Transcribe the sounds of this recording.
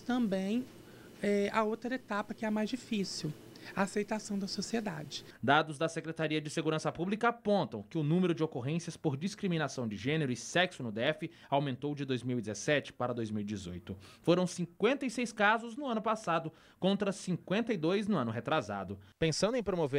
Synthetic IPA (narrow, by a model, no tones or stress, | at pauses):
t̪ɐ̃mbẽj̃ | ɛɐowt̪ɾɐet̪apɐkɪɛmajzd͡ʒifisiw | ɐasejt̪asɐ̃w̃d̪ɐsosied̪a̰d͡ʒɪ | d̪ad̪ʊzd̪ɐsekɾet̪aɾiɐd͡ʒɪseɡuɾɐ̃sɐpublikɐapõnt̪ɐ̃w̃kɪʊnũmeɾʊd͡ʒɪokoɦẽsiɐspoɾd͡ʒiskɾimĩnasɐ̃w̃d͡ʒɪʒẽneɾʊɪsɛksʊnʊd̪eɛfɪ | awmẽnt̪owd͡ʒɪd̪ojzmiwidd͡ʒɪzɛsɛt͡ʃɪ̥paɾɐd̪ojzmiwid͡ʒɪzo̰jt̪ʊfoɾɐ̃w̃sĩŋkwẽnt̪ɐisejskazʊznʊɐ̃nʊpasad̪ʊ | kõnt̪ɾɐsĩkwẽnt̪ɐid̪ojznʊɐ̃nʊɦet̪ɾaza̰d̪ʊpẽsɐ̃nd̪ʊẽpɾomove